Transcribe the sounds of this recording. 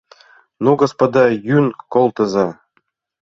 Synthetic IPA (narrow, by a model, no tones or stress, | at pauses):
nuɡospod̪ɑjynkolˠt̪ɤ̆zɑ